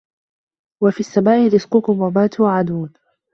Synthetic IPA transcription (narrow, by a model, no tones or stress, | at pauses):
wafiːasːamaːʔɪɾɪsqʊkʊmwamaːt̪ʊwʕad̪uːn